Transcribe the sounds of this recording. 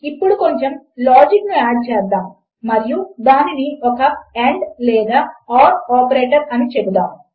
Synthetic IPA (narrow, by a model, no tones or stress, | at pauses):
ipːuɽuko̞ɲt͡ʃemlaːd͡ʒiknuaːɖ̚t͡ʃɛːsd̪aːm | mɐɾijud̪aːniniɔkɐeɳɖlɛːd̪aːaːɖaːpɐɾeːʈɐɾɐnit͡ʃebud̪aːm